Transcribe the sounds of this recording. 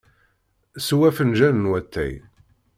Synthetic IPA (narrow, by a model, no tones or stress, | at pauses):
swæfənʒænənwæt̪ʰːæ̰j